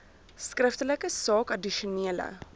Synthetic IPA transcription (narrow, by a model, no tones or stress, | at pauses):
skrəftələkəsɑːkɐdiʃuniələ̰